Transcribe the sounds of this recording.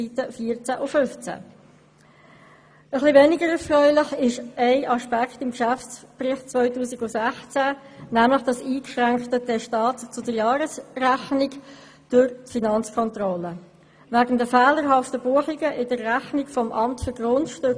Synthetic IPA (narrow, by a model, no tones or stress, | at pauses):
itəfiːəɾt͡sæʔʊfʏnft͡sæ̰ | əχlivɛnɪɡəɾɛɾfrœʏlɪχɪʃæɪʔɑʃpækχtɪmkʃæft͡sprɪχt͡svœʏtuːsiɡʊsæχt͡sænæmləχd̥ɑsiːkʃʁæŋkχtədɛʃtɑːtt͡sʊdəɾjɑːɾəsræχnɪɡ | d̥ʊɾtfinɑnt͡skʰɔntrɔlə | væɡn̩dəfɛːləɾɦɑftəbuəχiɡəʔɪdərːæχnikfɔmʔɑmtfʏɾɡ̥rʊntʃtʏk